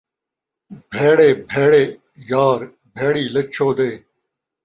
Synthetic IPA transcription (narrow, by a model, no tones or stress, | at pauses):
bʱeːɽeːbʱeːɽeː | jaːɾ | bʱeːɽiːlɐt͡ɕʰoːd̪eː